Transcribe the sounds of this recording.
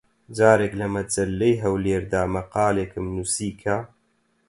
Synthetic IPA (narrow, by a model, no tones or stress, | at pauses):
d͡ʒaːɾeːklɐmɐd͡ʒɐlːejɦɐwleːɾd̪aːmɐqɑːleːkɨmnusiːkʰa